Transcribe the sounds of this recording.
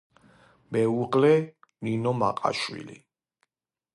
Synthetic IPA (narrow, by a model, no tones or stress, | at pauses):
mɛuʁlɛninɔma̰qʼa̰ʃwḭlḭ